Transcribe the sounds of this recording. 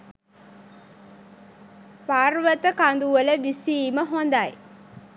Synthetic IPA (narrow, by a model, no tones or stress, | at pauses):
paːrʋət̪əkand̪uʋələʋisiːməɦond̪aj